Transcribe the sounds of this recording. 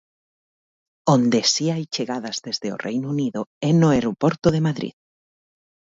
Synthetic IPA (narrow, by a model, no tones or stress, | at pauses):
õnd̪esiajt͡ʃeɣaðazðezðeo̰rʔḛjnuniðoɛnʊeɾopɔɾt̪oðemaðɾḭð